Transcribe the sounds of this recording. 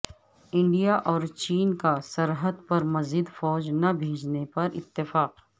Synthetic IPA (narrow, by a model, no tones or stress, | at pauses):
ɪ̃ɳɖijaʔɔːɾt͡ʃiːnkasɐɾɦəd̪pɐɾmɐzid̪fɔːd͡ʒnɐbʱeːd͡ʒnepɐɾɪ̰t̪ːɪfaːq